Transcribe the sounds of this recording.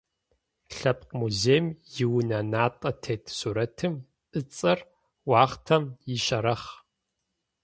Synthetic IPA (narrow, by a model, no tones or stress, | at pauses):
ɬɐp̚qmuzeːjmjɪwnɐnaːtʼɐtʰeːtʰsuːɾɐtʰɨm | ʔɨt͡sʼɐr | wɑːχtʰɐmjiɕɐɾɐχ